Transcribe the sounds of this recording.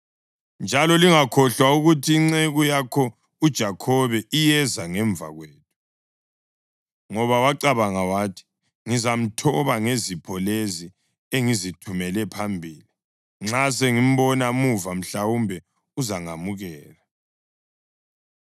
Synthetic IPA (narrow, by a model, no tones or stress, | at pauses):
nd͡ʒʱalɔliŋakʰɔɬwauɣutʰiːŋ͡ǀeɣujakʰɔ | ud̥ʒ̥ʱakʰɔβɛijɛzaŋɛɱb̪vʱa̰ɣweːt̚ʰu̥ | ŋɔβawaǀaβaŋawaːtʰi̥ | ŋizam̩tʰɔβaŋezipʰɔlezi | eŋizitʰumɛlɛpʰambʱiːli | ŋ͡ǁas̬eŋim̩βɔnamuvam̩ɬawumbʱɛ | uzaŋamuɣɛːla